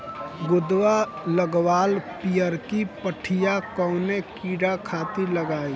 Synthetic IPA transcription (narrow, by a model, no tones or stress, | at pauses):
ɡʊd̪waləɡwaːlpijəɾkipəʈʰijakɔʊnekiːɖakʰaːt̪iləɡaːi